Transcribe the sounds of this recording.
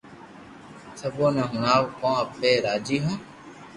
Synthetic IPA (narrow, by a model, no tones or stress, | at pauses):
səboːnãːɦʊnaːʋkõːəpeːɾaːd͡ʒiːɦõː